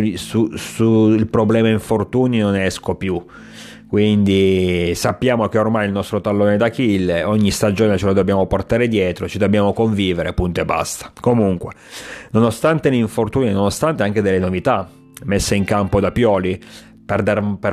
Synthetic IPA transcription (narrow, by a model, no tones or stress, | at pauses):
isusuilpɾoblɛːmaiɱfort̪uːninonɛskopju | kwind̪isapːjaːmokeormajilnɔst̪ɾot̪alːoːned̪akilːeoɲːist̪ad͡ʒoːnet͡ʃelod̪objaːmoport̪aːɾed̪jɛːt̪ɾot͡ʃid̪obːjaːmokoɱviːveɾepunt̪oebːa̰st̪ḁkomuŋkwenonost̪ant̪eliɱfort̪uːninonost̪ant̪eaŋked̪elːenovit̪a | mesːeiŋkampod̪apjɔːli | perd̪arper